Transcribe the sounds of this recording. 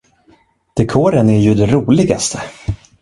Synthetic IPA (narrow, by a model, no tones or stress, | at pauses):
d̪̥ɛkʰoːɾənæɾjɵd̪ɛɾuːlɪɡa̰st̪ʰə